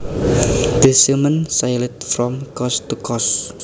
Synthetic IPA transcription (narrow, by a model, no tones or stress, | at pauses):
d̪̥əsəmənsajlət̪̚fɾɔmkɔst̪ukɔs